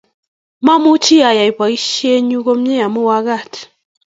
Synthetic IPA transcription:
ma˦˨mu˦t͡ʃi˦a˨ja˨i˨pa˨i˦ʃe˦ɲu˦ɣo˦m̩˦e˦ja˨mu˦wa˦ɣa˦˨t

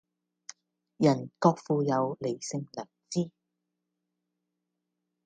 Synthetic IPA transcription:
jɐ˨˩nkɔː˧k̚fuː˨˧jɐ˨˧wle˨˩jsɪ˧ŋlɐː˨˩k̚t͡siː˥

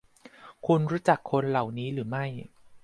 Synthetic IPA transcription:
kʰu˧nɾuː˦˥t͡ɕa˨˩kʰːo˧nla˨˩wniː˦˥ɾɯː˩˦ma˥˩j

